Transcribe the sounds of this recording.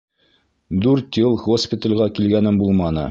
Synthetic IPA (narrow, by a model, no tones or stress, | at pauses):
d̪ʉɾt̪jɤlˠɡospʲɪt̪əlʲʁækilɡænɘmbulˠmɑnɤ̰